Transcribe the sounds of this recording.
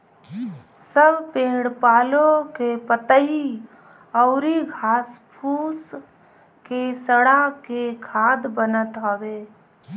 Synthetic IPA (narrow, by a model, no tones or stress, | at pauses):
səbpẽːɽpaːlõkepət̪əɦi | ɔʊɾiɡʱaːspʰuːs | kesəɽakekʰaːd̪bənət̪ɦoweː